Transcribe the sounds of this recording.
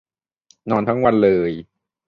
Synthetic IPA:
nɔː˧nt̪ʰa˦˥ŋwa˧nlɤː˧j

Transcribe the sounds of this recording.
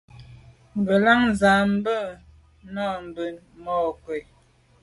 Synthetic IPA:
m̩˨bə˨la˦ŋza˨m̩˦bə˦ | nɔ˦˨m̩˨bə˨n | mɔ˦˨kwɛ˨

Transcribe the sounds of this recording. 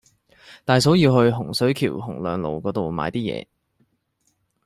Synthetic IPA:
t̪aː˨jso˨˥wjiː˧whɵ˧ɥɦʊ˨˩ŋsɵ˨˥ɥkʰḭː˨˩wɦʊ˨˩ŋlœː˨ŋlo̰˨wkɔː˨˧˥t̪o˨wma̰ː˨˧jt̪iː˥jɛ̰ː˧

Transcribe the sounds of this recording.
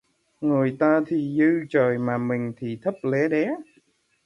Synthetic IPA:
ŋo˨˩əjt̪aː˧t̪ʰi˨˩zɨ˧t͡ɕəː˨˩jmaː˨˩mï˨˩ŋ̟t̪ʰi˨˩t̪ʰə˦˥p̚le˨˦ɗɛ˨˦

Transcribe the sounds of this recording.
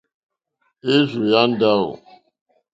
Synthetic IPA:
e˦zu˨ja˦n̩˦da˦o̰˨

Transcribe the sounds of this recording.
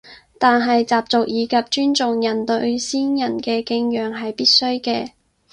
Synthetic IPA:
t̪aː˨nɦɐ˨jt͡saː˨p̚t͡sʊ˨k̚jiː˨˧kɐ˨p̚t͡ʃyː˥nt͡sʊ˨ŋjɐ˨˩nt̪ɵ˧ɥsiː˥njɐ˨˩nkɛː˧kɪ˧˥ŋjœː˨ŋɦɐ˨jpiː˥t̚sɵ˥ɥkɛː˧

